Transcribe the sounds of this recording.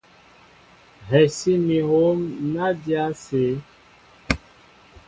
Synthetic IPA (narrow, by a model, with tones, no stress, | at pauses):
ɦɛ˨si˦mĩ˨ɦo˦mna˦dja˦se˨˦